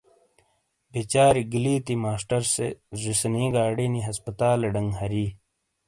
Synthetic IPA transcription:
bʱet͡ɕaːɾiɡiliːt̪imaːsʈɐɾsezisniːɡaːɽiniɦɐspɐt̪aːleɖɐŋɡɦɐɾiː

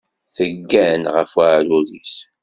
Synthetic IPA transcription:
θəɡːænʁə̰fwaʕɾuliθ

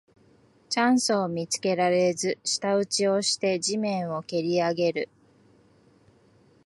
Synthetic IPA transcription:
t͡ɕãɰ̃soːmʲit͡sɨ̥ke̞ɾaɾe̞zɨɕi̥t̪aɯ̟t͡ɕio̞ɕi̥t̪e̞d͡ʑimẽ̞ɰ̃o̞ke̞ɾʲiaɡe̞ɾɯ

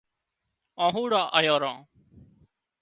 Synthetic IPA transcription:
ãːɦuːɽaːʔəjaːɾãː

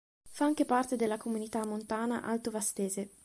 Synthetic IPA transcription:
faaŋk̟epart̪ed̪elːakomunit̪amːont̪aːna̰ʔa̰lt̪ovast̪eːze

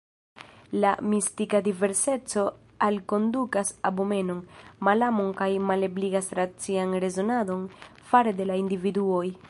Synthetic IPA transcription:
lamistikadive̞ɾse̞t͡so̞ | alko̞ndukasabome̞no̞nmalamonkajmalebliɡasɾat͡sianɾe̞zo̞nado̞nfaɾe̞de̞laindividuo̞j

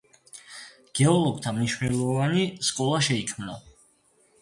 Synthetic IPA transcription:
ɡ̥ɛɔlˠɔɡ̚t̪ʰamniʃwnɛlˠɔvaniskʼɔlˠaʃɛikʰmnɔ

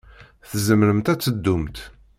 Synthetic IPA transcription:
θzəmɾəmt̪æt͡sːəd̪ːumt̪

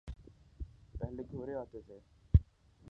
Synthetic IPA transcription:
pɛɦleɡʱoːɾeoːt̪et̪ʰe

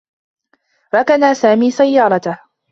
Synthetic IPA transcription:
ɾˤɑkanaːsaːmiːsajːɑːɾˤɑt̪ah

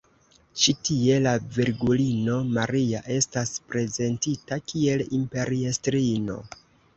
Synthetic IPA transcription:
t͡ʃitie̞laviɾɡulino̞maɾiaʔe̞staspɾe̞ze̞ntitakʰie̞limpe̞ɾiestɾino̞̰

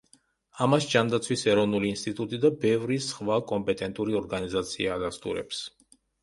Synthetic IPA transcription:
amasd͡ʒand̪at̪sʰwisɛɾɔvnuliːnst̪ʼit̪ʼut̪ʼid̪abɛvɾisχvakʼɔmpʼɛt̪ʼɛnt̪ʼuɾiɔɾɡanizat̪sʰiaːd̪ast̪ʼṵɾɛ̰ps

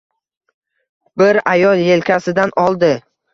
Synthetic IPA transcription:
bɪɾajɒlˠje̞lkʲasɪd̪anɒlˠd̪ɪ

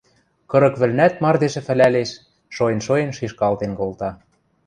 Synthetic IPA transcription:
kɤ̆ɾɤ̆kβɘ̆lnæt̪̚mɑrd̪eʒɘ̆fɘ̆læleʃ | ʃojĕnʃojĕnʃiʃkɑlt̪enkolt̪ɑ

